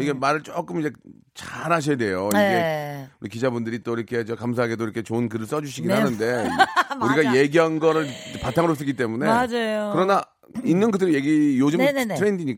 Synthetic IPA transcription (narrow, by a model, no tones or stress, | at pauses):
iɡe̞maɾɯɭt͡ɕ͈ok͈ɯmind͡ʑe̞ | t͡ɕaɾaɕ̬ʰʌjade̞joikʰe̞uɾikid͡ʑabundɯɾit͈oiɾʌkʰe̞t͡ɕʌkams̬ʰaɦaɡedoiɾʌkʰe̞t͡ɕoɯnkɯɾɯɭs͈ʌd͡ʑuɕ̬ʰiɡinɦanɯnde̞uɾiɡaje̞ɡiɦanɡʌɾɯɭpatʰaŋɯɾos̬͈ɯkit͈e̞mune̞ad͡ʑajokɯɾʌna | inːɯnkɯdɯɾije̞ɡijod͡ʑɯmmntʰɯɾendiɲik